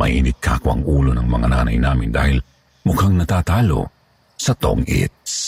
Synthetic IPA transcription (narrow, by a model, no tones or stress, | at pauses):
mɐ̰jʔɪnɪɡ̚kʰaːkwɐ̰ŋʔuːlonɐŋmɐŋanaːnɐjnaːmɪnd̪a̰ːhɪl | mʊkaŋnɐt̪aːt̪aːlo̰ | sɐt̪o̰ŋʔɪ̰t̪̚s